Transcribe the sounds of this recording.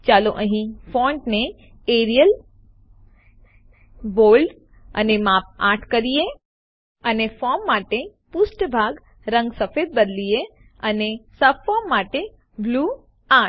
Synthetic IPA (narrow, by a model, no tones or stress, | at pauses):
t͡ʃaːloʔə̃ɦĩfɔɳʈne | eɾijəl | boːlɖ | ə̰nemaːp̚aʈʰkəɾije | ənefɔmːaʈepʊsʈbʱaɡ | ɾə̃ŋɡsəfeːd̪̚bəd̪lie | ənesəbfɔmːaʈe | bluː | a